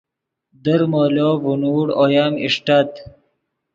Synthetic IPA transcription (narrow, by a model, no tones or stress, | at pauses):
d̪əɾmolovunuːɽojamiʂʈat̪